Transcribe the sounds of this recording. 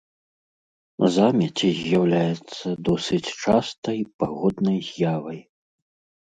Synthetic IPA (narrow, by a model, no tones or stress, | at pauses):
zamʲɐt͡sʲizʲjawlʲajɛt̪sːɐd̪ɔsɨt͡sʲt͡ʂast̪ɐjpaɣɔd̪nɐjzʲjavɐj